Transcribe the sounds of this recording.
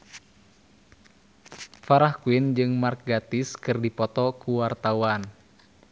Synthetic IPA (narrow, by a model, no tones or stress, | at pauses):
faɾahkuind͡ʒɨŋmark̚ɡat̪iskɨrdipɔt̪ɔkuwart̪auan